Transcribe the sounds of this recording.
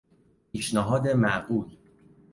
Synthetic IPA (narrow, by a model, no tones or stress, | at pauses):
pʰiːʃnæɦɒːd̪emæʔɢuːl